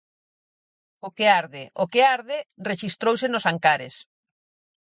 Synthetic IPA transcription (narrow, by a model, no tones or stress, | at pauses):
okeaɾðeʔokeaɾðɪreʃist̪ɾowsenosaŋkaɾḛs